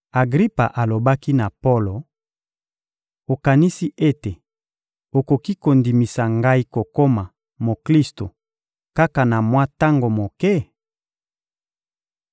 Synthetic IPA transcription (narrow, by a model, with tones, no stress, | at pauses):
a˨ɡʁi˦pa̰˨ʔa˨lo˨ba˦ki˦na˨po˦lo˨ | o˨ka˨ni˦si˦ʔe˦te˨ | o˨ko˨ki˦ko˨ndi˨mi˨sa˨ŋɡa˦i˦ko˨ko˦ma˨ | mo˨kli˦sto˨ | ka˦ka˨na˨mwa˦ta˦ŋɡo˨mo˨kɛ˦